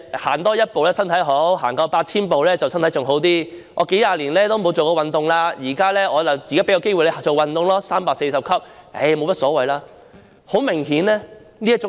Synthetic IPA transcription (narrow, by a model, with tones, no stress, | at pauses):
ha̰ː˨˩nt̪ɔː˥jɐ˥t̚po˨wlɛː˥sɐ˥nt̪ʰɐ˨˥jɦo˨˥wɦaː˨˩nkaː˧paː˧t̚t͡sʰiː˥npo˨wlɛː˥t͡sɐ˨wsɐ˥nt̪ʰjt͡sʊ˨ŋɦo˨˥wt̪iː˥ | ŋɔː˨˧ke˨˥jaː˧liː˨˩nlɛː˥t̪o˥wmo˨˧wt͡so˨wkɔ˧wɐ˨nt̪ʊ˨ŋlaː˧jiː˨˩kaː˥lɛː˥ɔː˨˧jɐ˨wt͡si˨ka˨˥pe˨˥jɐ˧ke˥jwu˨jle˧˨˩t͡ʃo˨˩wɐ˨nt̪ʊ˨ŋlɔː˥saː˥mpaː˧k̚se˧jsɐ˨p̚kʰɐ˥p̚ḛ˧˩jmo˨˧wmɐ˥tsɔː˨˥wɐ˨jlaː˧ | ho˨˥wmɪ˨˩ŋɦiː˨˧˥nlɛː˥niː˥jɐ˥t͡sʊ˨˥